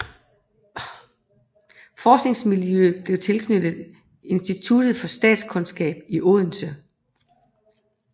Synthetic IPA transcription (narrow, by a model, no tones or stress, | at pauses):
fɒːsɡ̥ne̝ŋsmiljøb̥le̝ʊt͡sʰe̝lkʰnød̥ð̩ˠ | e̝nsd̥it͡sʰud̥ð̩ˠfɒ̽sd̥ɛ̰ːd̥skʰɔ̽nsɡ̥ɛ̰ːb̥iʔɔ̝ðˠn̩sə